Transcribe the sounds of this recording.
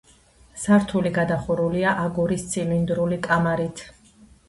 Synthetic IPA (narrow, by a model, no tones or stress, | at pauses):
saɾt̪ʰuliɡad̪aχuɾuliaʔaɡuɾist̪sʰʼilind̪ɾulikʼamaɾit̪ʰ